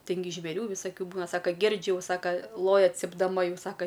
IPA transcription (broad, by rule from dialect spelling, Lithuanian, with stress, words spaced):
ˈtʲɪn ɡʲɪ ʒʲʋʲeːˈrʲuː ʋʲɪsɐˈkʲuː ˈbuːnɐ ˈsɑːkɐ ˈɡʲɪrʲd͡ʒʲʊ jɛʊ ˈsɑːkɐ ˈlˠoːjɛ t͡sʲɪbdɐˈmɐ ˈjɛʊ ˈsɑːkɐ